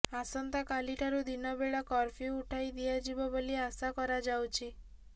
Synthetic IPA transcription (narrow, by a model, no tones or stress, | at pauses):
asɔnt̪akaliʈʰaɾud̪inɔbeɭɔkɔɾpʰiuʈʰajd̪iad͡ʒibɔbɔliasakɔɾad͡ʒawt͡ʃʰi